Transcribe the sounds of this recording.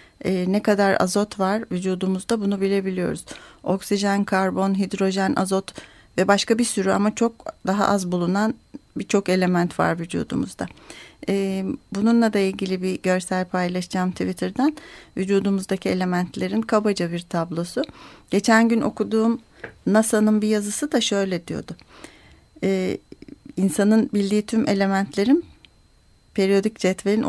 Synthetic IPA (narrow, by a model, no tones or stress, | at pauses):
ɛːnɛkad̪aɾa̰zo̞t̪vaɾvyd͡ʒuːd̪umuzd̪abunubilʲe̞bilʲijo̞̰ɾuz̥o̞ksiʒankʰaɾbo̞nɦid̪ɾo̞ʒænʔa̰zo̞t̪ | vɛbaʃkabisyɾya̰mat͡ʃʰo̞k̚d̪aɦa̰ʔazbulˠunanbit͡ʃʰo̞ke̞lʲe̞mænt̪va̰ɾvyd͡ʒṵːd̪ṵmṵzd̪aɛːbununlˠad̪ailʲɟilʲibiɟø̞ɾsælʲpʰajlˠaʃd͡ʒaːmt̪ʰivit̪ʰɯɾd̪ænvyd͡ʒuːd̪umuzd̪acʰie̞lʲe̞mænt̪ʰlʲe̞ɾinkʰabad͡ʒabiɾt̪ʰablˠo̞suɟ̥e̞t͡ʃʰænɟyno̞̰kud̪uːm | nasanɯnbijazɯsɯd̪aʃø̞jlʲed̪ijo̞̰d̪ʊ | ɛː | insanɯnbilʲd̪iːt̪ʰyme̞lʲe̞mænt̪ʰlʲe̞ɾin | pʰe̞ɾijo̞d̪icd͡ʒɛt̪velʲin